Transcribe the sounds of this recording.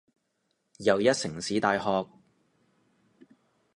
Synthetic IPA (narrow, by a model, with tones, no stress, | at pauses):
jɐ˨wjɐ˥t̚sɪ˨˩ŋsiː˨˥t̪aː˧jhɔː˧k̚